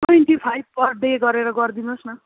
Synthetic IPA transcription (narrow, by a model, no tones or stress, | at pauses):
tojnʈipʰajb̚pʌrɖeɡʌɾeɾʌɡʌrd̪inosnʌ